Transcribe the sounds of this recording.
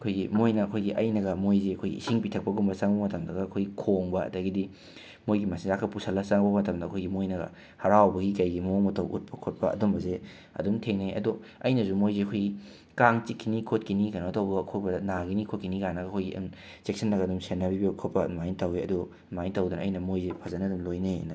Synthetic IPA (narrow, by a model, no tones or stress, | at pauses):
ɐkʰojɡimojnɐːkʰojɡiʔɐjnɐɡɐmojzeɐkʰojɡḭḭsiŋpitʰɐk̚pɐɡumbɐsaŋbɐmɐtɐmdɐɡɐɐkʰojɡikʰoŋbɐɐ̰dɐɡidi | mojɡimɐsiŋzakʰɐpusʰɐlːɐsaŋbɐmɐtɐmdɐɐkʰojɡimojnɐɡɐ̰ | hɐɾawbɐɡikɐjɡimɐoŋmɐtʰɐwʔṵt̚pʰɐkʰot̚pɐɐ̰dombɐze | ɐ̰dumtʰeŋnejɐ̰dɔɐjnɐsumojzeɐkʰojɡi | kaŋt͡ʃikʰːinikʰotkinikanoɐtɐwbɐɡɐɐkʰot̚bɐnaɡinikʰot̚kinikanɐɡɐkʰojɡḭ | t͡ʃek̚sʰɐnːɐɡɐdumsenːɐbibikʰot̚pɐmajntɐwiɐdu | majntɐwdunɐɐ̰jnɐmojzepʰɐzɐnɐdumlojnḛnɐ